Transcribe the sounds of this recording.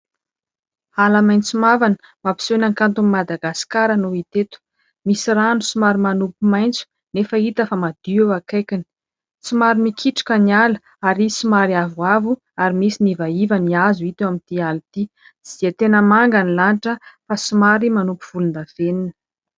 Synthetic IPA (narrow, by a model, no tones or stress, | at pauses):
alamajnt͡sumavanə̥ | mapi̥senaŋkant̪umimad̪aɡasi̥kaɾanoit̪et̪u̥ | misiɾanusumaɾimanupumajnt͡su̥ | nefəit̪əfamad̪̥iewakajkʲini̥ | t͡simaɾimikʰiʈ͡ʂḁkənialu | aɾisimaɾiavwavu | aɾimisinivaivəniazuit̪ewamint̪ialit̪i | z̥iat̪enəmaŋɡanilanʈ͡ʂəfasumaɾimanupuv̥ulund̪av̥eninə̥